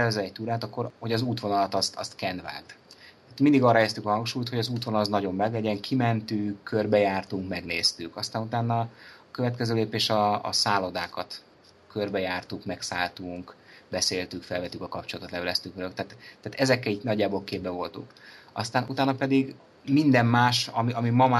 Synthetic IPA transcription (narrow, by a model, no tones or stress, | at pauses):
ɛzɛɛc̚t̪uːɾaːt̪ɒkːo̞ɾho̞ɟɒzuːt̪ʋo̞nɒlɒt̪ɒst̪ɒ̰st̪kɛnd̪va̰ːt̪t̪aːt̪mind̪iɡɒrɒjɛst̪ykɒhɒŋkʃuːjt̪ho̞ɟɒzuːt̪ʋonɒlɒznɒɟo̞mːɛɡlɛɟɛŋkʰimɛnt̪ykːø̞rbɛjaːrt̪uŋkmɛɡneːst̪ykɒst̪aːnut̪aːnːɒɒkø̞vɛt̪kɛzøːleːpeːʃɒɒ̰saːlo̞d̪aːkɒt̪ | kørbɛjaːrt̪ukmɛksaːlt̪uŋkbɛseːlt̪ykfɛlvɛt̪ːykɒkɒp̚t͡ʃolɒt̪ot̪lɛvɛlɛst̪ykʋɛløkt̪aːt̪t̪ːaːt̪ɛzɛkːɛliːɟnɒɟːaːbo̞ːlkeːbbɛvo̞lt̪ṵŋkɒ̰st̪aːnʔut̪aːnɒpɛd̪iɡ | mind̪ɛmmaːʃɒmiɒmimɒma